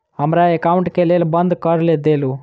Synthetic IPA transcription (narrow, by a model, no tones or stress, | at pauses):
ɦəmɾaekaʊ̃ɳʈkeleːlbə̃nd̪ʱkəɾled̪elu